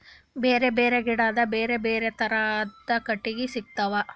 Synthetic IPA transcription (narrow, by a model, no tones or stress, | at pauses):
beːɾe̞beːɾeɡiɽaːd̪ɐbeːɾe̞beːɾet̪ɐɾad̪ɐkɐʈːiɡisik̚t̪ɐʋɐ